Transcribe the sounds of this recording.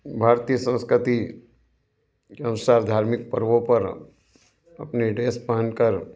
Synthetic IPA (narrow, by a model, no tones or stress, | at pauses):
bʱaːɾt̪ijəsə̃nskɾɪt̪i | keɐnʊsaːɾd̪ʱaːɾmɪk̚pəɾʋõpɐɾ | ɐ̰pneɖeːspəɦənkəɾ